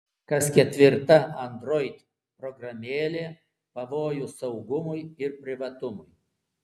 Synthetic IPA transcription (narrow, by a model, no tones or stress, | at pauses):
kɐskʲɛt̪ʲʋʲɪɾt̪ɐɐnd̪ɾoːɪt̪ʲ | pɾɔɡɾɐmʲeːlʲeː | pɐʋoːjuːsɐʊɡʊmʊjɪɾpʲɾʲɪʋɐt̪ʊmʊj